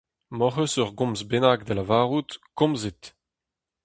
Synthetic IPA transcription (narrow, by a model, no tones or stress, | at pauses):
mɔχøsœʁɡɔ̃mzbenaɡ̚d̪əlavaːʁut̪kɔ̃mzet̪